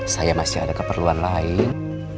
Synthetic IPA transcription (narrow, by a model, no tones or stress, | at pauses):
sajamasɪa̰dakəpərluanlaɪn